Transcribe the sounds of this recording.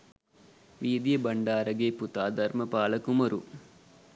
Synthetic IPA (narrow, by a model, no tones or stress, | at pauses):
ʋiːd̪jɐbɐɳɖaːɾɐɡeːput̪aːd̪ʱɐɾmɐpaːlɐkumɐɾu